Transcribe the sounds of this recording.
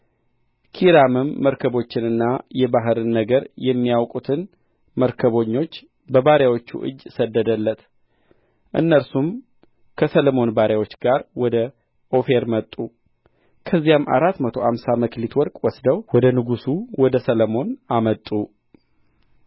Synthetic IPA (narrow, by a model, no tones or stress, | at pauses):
kʰiɾamɨmːəɾkʰəβo̞t͡ʃːɪnɨnːajɛbaɦɨɾɨnːəɡəɾjɛmːijawkʼut̪ʰɨn | məɾkʰəβo̞ɲːo̞t͡ʃː | bəbaɾjawot͡ʃːṵʔɨ̰d͡ʒːsəd̪ːəd̪əlːət̪ | ʔɨ̰nːəɾsum | kʰəsələmo̞nbaɾjawo̞t͡ʃːɡaɾwɔd̪ə | ʔo̞fe̞ɾmət̪ʼːu | kʰəzːijamʔa̰ɾat̪mət̪ʰoamsaməklit̪ʰwɔɾkʼwɔsd̪əwwɔd̪ənɨɡusuwɔd̪əsələmo̞namət̪ʼːu